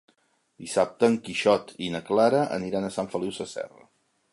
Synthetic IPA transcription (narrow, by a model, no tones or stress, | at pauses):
d̪̥isap̚t̪əːŋkiʃɔt̪inəklaɾəʔə̰niɾanəsaɱfəliwsəsɛ̰rə̰